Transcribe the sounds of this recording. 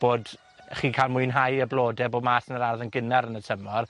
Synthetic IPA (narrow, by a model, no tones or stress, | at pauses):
b̥oːd | χiːkʰaːlˠmʊɨnɦajəblˠoːdɛbɔmaːsənəɾarðənɡɪnɛɾənətʰəmɔr